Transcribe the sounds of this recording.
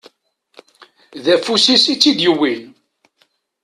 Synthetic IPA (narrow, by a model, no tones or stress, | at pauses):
ðæfusisit͡sːid̪jəwil